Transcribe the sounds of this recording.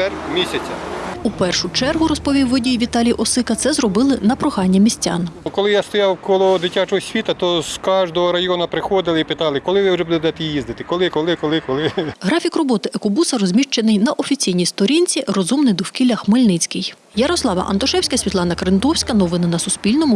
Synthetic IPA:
ɛrmʲisʲɐt͡sʲɐupɛrʃʊt͡ʃɛrɦʊɾɔspɔʋʲiwːɪdʲijʋʲit̪ɑlʲijʔɔsɪkɐt̪sɛzrɔbɪlˠɪnɐpɾɔxɑnʲːɐmʲisʲtʲa̰nkɔlˠɪjast̪ɔjɑwkɔlˠɔd̪ɪtʲat͡ʃɔɦɔsʲʋʲit̪ɐt̪ɔskɑʒd̪ɔɦɔɾɐjɔnɐpɾɪxɔd̪ɪlˠɪipɪt̪ɑlˠɪkɔlˠɪʋɪwʒɛbud̪ɛd̪ɛt̪ɛjizd̪ɪt̪ɪkɔlˠɪkɔlˠɪkɔlˠɪkɔlˠɪɦɾɑfʲikrɔbɔt̪ɪʔɐkɔbusɐɾɔzʲmʲiʃt͡ʃenɪjnɐʔɔfʲit͡sʲijnʲijst̪ɔɾʲinʲt͡sʲiɾɔzumnɪjd̪ɔwkʲilʲɐxmɪlʲnɪt͡sʲkɪj | jɐɾɔslˠɑʋɐ̰ʔɐ̰nt̪ɔʃɛwsʲkɐsʲʋʲit̪lˠɑnɐkɾɪnd̪ɔwsʲkɐnɔʋɪnɐnɐsʊspʲilʲnɔmʊ

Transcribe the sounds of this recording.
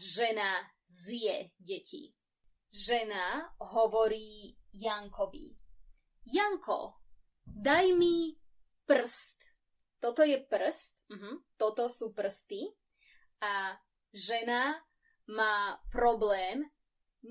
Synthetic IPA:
ʒɛna | zjɛɟɛcʰḭ | ʒɛnaɦɔʋɔɾiːjaŋkɔʋḭ | jaŋkʰɔ̰ | d̪ajmi | pr̩st̪ | t̪ɔt̪ɔjɛpr̩st̪m̩ɦm̩t̪ɔt̪ɔsuːpr̩st̪i | a | ʒɛna | maːpɾɔblɛːm

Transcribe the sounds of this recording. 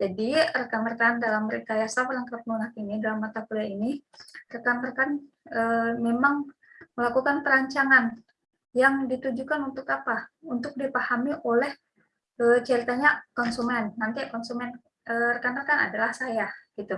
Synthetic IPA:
d͡ʒadirəkanrkandalamɾikajasawəlaŋkap̚nunakinidalamːat̪akulainirəkanrəkan | əmemaŋ | məlakukanpəɾaɲt͡ʃaŋan | jaŋdit̪ud͡ʒukanunt̪ʊkapaunt̪ʊk̚dipahamiʔolɛh | ət͡ʃəɾit̪aɲakɔnsumɛnːant̪ikɔnsumɛn | ərəkanrəkana̰dalahsajaɡ̥it̪u

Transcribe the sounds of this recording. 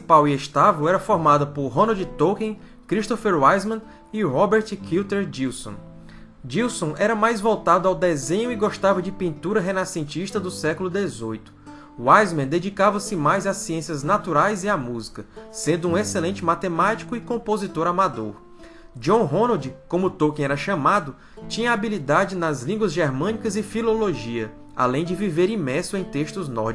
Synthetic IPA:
sipawieʃt̪avewɛɾɐfoɾmad̪ɐpoɾɦõnod͡ʒit̪owkẽ | kɾiʃt̪ofeɾwajzmɐ̃ | iɾɔbeɾt͡ʃkʰiwt̪eɾd͡ʒiwsõ̰ | d͡ʒiwsõʔɛɾɐmajzvowt̪ad̪ʊawd̪ezẽɲʊiɡoʃt̪avewd͡ʒɪpĩnt̪uɾɐɦenasẽnt͡ʃiʃt̪ɐd̪ʊsɛkʊlʊd̪ezojt̪ʊ̥ | wajzmẽd̪ed͡ʒikavɐsɪmajzasiẽsiɐznat̪uɾajziamuzi̥kɐsẽnd̪ʊũeselẽnt͡ʃɪmat̪emat͡ʃi̥kʊɪkõpozit̪oɾamad̪oɾ | d͡ʒõɦõnod͡ʒɪkõmʊt̪okẽɛɾɐʃɐ̃mad̪ʊ | t͡ʃĩɲɐabilid̪ad͡ʒɪnɐzlĩŋɡwɐzʒeɾmɐ̃nikɐzɪfiloloʒiɐ | a̰lẽj̃d͡ʒɪviveɾĩmɛɾsʊẽj̃t̪eʃt̪ʊznɔ̰ɾd͡ʒ

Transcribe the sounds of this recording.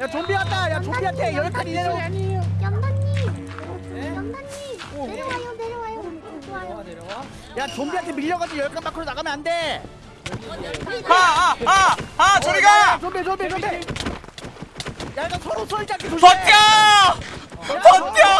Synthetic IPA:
jat͡ɕombiɦat͈ajat͡ɕombiɦant̪ʰejʌɭpʰaɾieɾʌ | i | i | ajo | j | jat͡ɕombiɦantʰemiʎːʌɡad͡ʑijʌɭk͈anbakʰɯɾonaɡamjʌnɦande | aaat͡ɕʌɾiɡat͡ɕombit͡ɕombit͡ɕoe | jak͈asʰʌɾosʰʌit͡ɕ͈ak͈ʰeoɕʌt͡ɕ͈a | t͡ɕʌt͡ɕa

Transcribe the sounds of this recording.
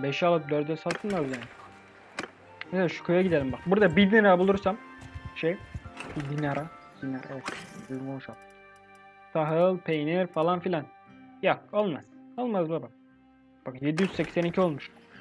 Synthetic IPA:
beʃɛalˠɯp̚d̪øɾd̪ɛsat̪ʰɯnmazjan | meselʲaːʃu̥kʰøjaɟid̪elʲimbakbuɾd̪abid̪inaɾabulˠuɾsamʃejbid̪inaɾʔa | d̪inaɾa̰d̪izmouʃalˠ | sʰaɦɯlˠpʰejniɾfalˠanfilʲan | jaolˠmaz̥olˠmazbabak̚ | b̥akje̞d̪ijyzsɛcsænicʰio̞lˠmuʃ

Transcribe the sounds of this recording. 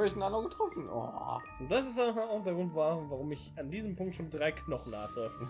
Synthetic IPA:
ɪçnandəəŋɡətʁ̥ɔfn̩o̰ | ʊnt̚d̥as̬ɪstaaaʊxd̥eɐɡʁʊntvavaʁʊmɪçandiːzəmpʰʊŋk̚tʃoːndʁaɪkʰnɔχn̩na̰ːχlɔʏftn̩

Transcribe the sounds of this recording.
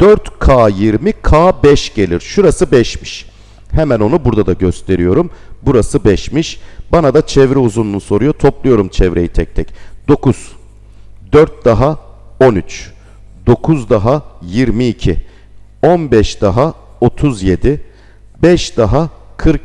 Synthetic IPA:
d̪̥øɾt̪kʰaːjiɾmikʰaːbɛʃɟ̥e̞lʲiɾʃuɾasɯbɛʃmi̥ʃ | hɛmæno̞nubuɾd̪ad̪aɟøst̪ʰe̞ɾijo̞ɾumbuɾasɯbɛʃmiʃbanad̪at͡ʃʰɛvɾɛuzununso̞ɾujot̪ʰo̞plˠujo̞ɾumt͡ʃʰɛvɾe̞jit̪ʰɛc̚t̪ʰɛcd̪̥o̞kʰuz̥ | d̪øɾt̪̚d̪aɦa | o̞nyt͡ʃ | d̪̥o̞kʰuzd̪aɦajiɾmiːcʰi | onbɛʃd̪̥aɦa | o̞t̪ʰuzje̞d̪i | bɛʃd̪̥aɦakʰɯɾk

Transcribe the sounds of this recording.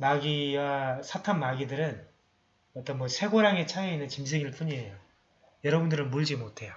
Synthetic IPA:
maɡiwasʰatʰanmaɡidɯɾɯn | ʌt͈ʌnmwʌsʰe̞ɡoɾaŋe̞t͡ɕʰaeinːɯnt͡ɕims̬ʰeɡiɭp͈uɲiejo | jʌɾʌbundɯɾɯnmuɭd͡ʑimotʰe̞jo

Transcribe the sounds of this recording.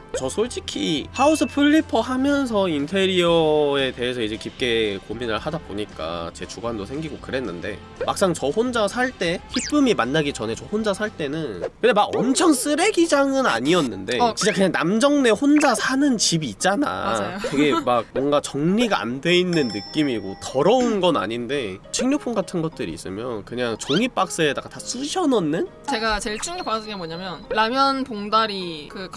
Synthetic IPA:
t͡ɕʌsʰod͡ʑikʰihausʰɯpʰɯɭʎːipʰʌhamjʌns̬ʰʌintʰe̞ɾiʌe̞te̞ɦe̞sʰʌid͡ʑe̞kip̚k͈e̞kominɯɭhadaboɲik͈a̰t͡ɕe̞t͡ɕuɡwandosʰe̞ŋɡiɡokɯɾe̞nːɯnde̞̰ | ma̰k̚s͈aŋt͡ɕʌhond͡ʑasʰaɭt͈e̞çip͈ɯmimanːaɡit͡ɕʌne̞t͡ɕʌhond͡ʑasʰaɭt͈e̞nɯnkɯndemaɡʌ̰mt͡ɕʰʌŋs͈ɯɾe̞ɡid͡ʑaŋɯna̰ɲiʌnːɯnde̞t͡ɕint͡ɕ͈akɯɲaŋna̰md͡ʑʌŋne̞ɸond͡ʑasʰanɯnt͡ɕibiːt̚t͡ɕ͈ana̰jokɯɡe̞mak̚mwʌŋɡat͡ɕʌŋɲiɡaa̰nde̞inːɯnːɯk͈imiɡo̰tʌɾʌunɡʌna̰ɲinde̞t͡ɕʰeŋɲok̚pʰunɡatʰɯnɡʌt̚t͈ɯɾḭːs͈ɯ̰mjʌnkɯɲaŋt͡ɕoŋip͈ak̚s͈ɯedaɡatas͈ʰuɕʰʌnʌnːɯn | t͡ɕe̞ɡat͡ɕeɭt͡ɕ͈ʰuŋɡepaɾadɯŋɡemʌɲamjʌnɾamjʌnpoŋdaɾikɯk

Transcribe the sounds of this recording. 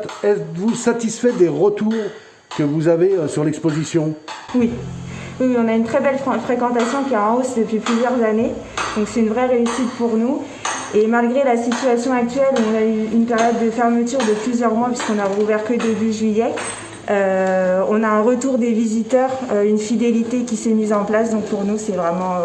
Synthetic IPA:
ɛt̪vusat̪isfɛd̪eʁət̪uʁ | kəvuzaveøsyʁlɛkspozisjɔ̃ | wiwiwiɔ̃naynt̪χɛbɛlfχekɑ̃t̪asjɔ̃kʲiɛɑ̃osd̪əpɥiplyzjœʁzane | d̪̥ɔ̃ksɛt̪ynvʁɛʁeysit̪puʁnu | emalɡʁelasit̪yasjɔ̃ak̚t̪ɥɛluɔ̃nayynpeʁjɔd̪ːəfɛʁmət̪yʁd̪əplyzjœʁmwapɥiskɔ̃naʁuvɛʁkəd̪ebyʒɥijɛ | øɔ̃naɛ̃ʁət̪uʁd̪evizit̪œːʁøynfid̪elit̪ekʲisɛmizɑ̃plas̬d̪ɔ̃k̚puʁnusɛvʁɛmɑ̃

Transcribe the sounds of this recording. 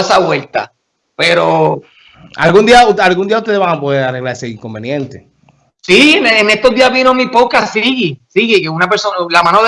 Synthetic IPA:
esaβwe̞lt̪a̰ | peɾo | a̰lɣund̪iaualɣund̪iauht̪ee̞βaŋapoðeɾare̞ɣlaɾeseiŋko̞mbe̞njẽnt̪e | sienenest̪ozðiazβinomĩpoðkasiɣisiɣikeunapeɾsonlamãnoðe

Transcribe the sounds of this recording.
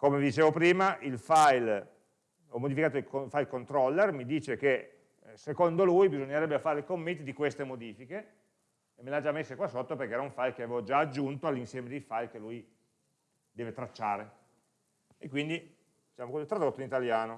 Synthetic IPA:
komevid̪it͡ʃeːvopɾiːmaʔilfajl | ɔmːod̪ifikaːt̪oilkoilfajlkont̪ɾɔlːermid̪iːt͡ʃeke | sekond̪olujbizoɲːeɾɛbːefaːɾekomːent̪id̪ikwest̪emod̪iːfikeː | mːelad͡ʒamːesːekwasːot̪ːoperkeɛːɾauɱfajlk̟eavevod͡ʒaːd͡ʒːunt̪oalːinsjɛːmed̪elfajlkelːuj | d̪ɛːvet̪ɾat͡ʃːaːɾe | ekːwind̪i | dit͡ʃaːmokozit̪ːɾad̪ot̪ːoinit̪aljaːno

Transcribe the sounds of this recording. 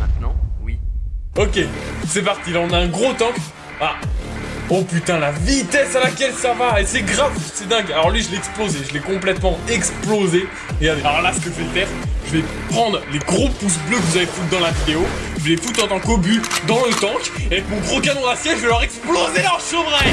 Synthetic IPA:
mɛ̃t̪nɑ̃wiɔkʲesɛpaʁt̪ilaɔ̃naɛ̃ɡʁot̪ɑ̃k | a | opyt̪ɛ̃lavit̪ɛsalakʲɛlsavaesɛɡʁavsɛd̪ɛ̃ɡalɔʁlɥiʒəleɛksplozeʒəlɛkɔ̃plɛt̪mɑ̃ɛksploze | eaalɔʁlasə̥kəʒvɛfɛʁʒ̥əvɛ | pχɑ̃d̪ʁleɡʁopus̬bløkəvuzavefut̪̚d̪ɑ̃lavid̪eoʒəvelefut̪ɑ̃t̪ɑ̃kobyd̪ɑ̃lət̪ɑ̃kavɛkmɔ̃ɡʁokanɔ̃d̪asjɛʒəvɛlœʁɛksplozelœʁʃəvʁaj

